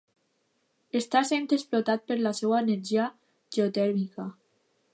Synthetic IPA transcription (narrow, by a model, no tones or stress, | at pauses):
est̪asent̪ɾesplot̪at̪̚peɾlasewaeneɾʒia | ʒeot̪ɛɾmika